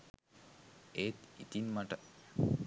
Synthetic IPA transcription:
et̪it̪inmaʈə

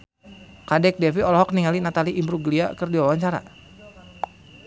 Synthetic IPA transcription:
kadɛk̚dɛfiɔlɔɦɔk̚niŋalinat̪aliʔimbɾuɡlia̰kɨrdiwawaɲt͡ʃaɾa̰

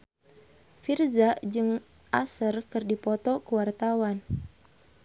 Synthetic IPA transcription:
firzad͡ʒɨŋ | ʔasərkɨrdipɔt̪ɔkuwart̪awan

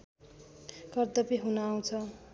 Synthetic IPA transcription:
kʌrd̪ʌpeɦunaw̃t͡sʰʌ

